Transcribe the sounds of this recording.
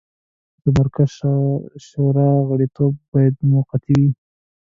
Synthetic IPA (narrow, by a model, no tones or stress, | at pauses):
d̪̥əmaɾkazʃʃoɾɑɣaɽit̪ob̚ːɑjad̪̚muqat̪i